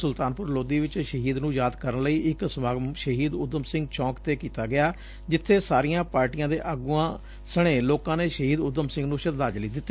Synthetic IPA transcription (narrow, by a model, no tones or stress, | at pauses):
sʊlt̪aːnpʊɾloːd̪iːʋɪt͡ʃʃəɦiːd̪nũːjaːd̪kəɾənləiːʔɪksəmaːɡmʃəɦiːd̪ʊd̪əmsɪ̃ŋɡt͡ʃʰɔ̃ːkt̪eːkiːt̪aːɡɪjaː | d͡ʒɪt̪ʰːeːsaːɾijãːpaːɾʈijãːd̪eːʔəɡuːãː | səɽ̃ẽːloːkãːneːʃəɦiːd̪ʊd̪əmsɪ̃ŋɡnũːʃət̪d̪aːd͡ʒliːd̪ɪt̪ː